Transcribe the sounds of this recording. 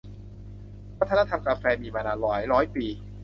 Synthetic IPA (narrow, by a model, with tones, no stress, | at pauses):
wa˦˥t̪ʰːa˧na˥t̪ʰa˧mkaː˧fɛː˧miː˧maː˧naː˧lɔː˨˩˦jɾɔː˦˥jpiː˨˧